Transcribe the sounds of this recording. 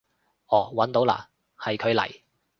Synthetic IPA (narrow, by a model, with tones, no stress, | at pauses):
ʔɔː˨˩wɐ˨˥nt̪o˨˥wla̰ː˨ | hɐ˨jkʰɵ˨˧ɥlɐ̰˨˩j